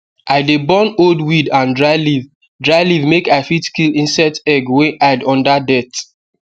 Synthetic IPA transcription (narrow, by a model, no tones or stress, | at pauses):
ʔaɪdebɔ̃noldwidãndɹaɪliv | dɹaɪlivmekaɪfitkilĩnsɛtɛɡwɛ̃ʔadɔ̃ndadɛt